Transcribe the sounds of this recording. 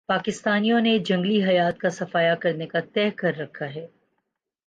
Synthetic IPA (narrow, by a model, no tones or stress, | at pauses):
paːkɪst̪aːnijõned͡ʒɐ̃ŋɡliɦɐjaːt̪kasɐfaːjakɐɾnekat̪ɛːɦkɐɾːɐkʰːaɦɛː